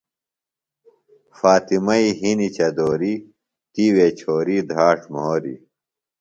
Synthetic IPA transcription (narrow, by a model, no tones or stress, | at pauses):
faːt̪imɐiɦinit͡ɕɐd̪oːɾi | t̪iwet͡ɕʰoːɾid̪ʱaːʈmoːɾḭ